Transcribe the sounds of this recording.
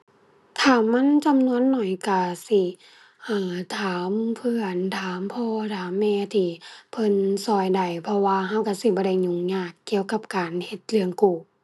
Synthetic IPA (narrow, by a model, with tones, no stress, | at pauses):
t̪ʰaː˨˩ma˧˥˨nt͡ɕa˨mnu˧ənːɔ˨˩jka˧˩si˧˩ | ʔaː˧˩t̪ʰaː˨˦mpʰɯ˧ənt̪ʰaː˨˦mpʰɔː˧t̪ʰaː˨˦mːɛː˧t̪ʰiː˧pʰɤ˧˥˨nsɔː˧˩jda˨˩jpʰɔ˧waː˧ɦa˧˥˨wka˧˩si˧˩bɔː˧˦da˧˩jɲu˧˩ŋɲaː˧˩kːi˧˨əwka˧˥p̚kaː˨˩nhe˧t̪̚lɯ˧əŋkuː˧˩